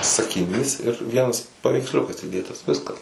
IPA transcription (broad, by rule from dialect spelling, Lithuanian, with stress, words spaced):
sɐkʲɪˈnʲiːs ɪr ˈʋʲiɛnɐs pɐʋʲɛɪksʲˈlʲʊkɐs iːˈdʲeːtɐs ˈʋʲɪskɐs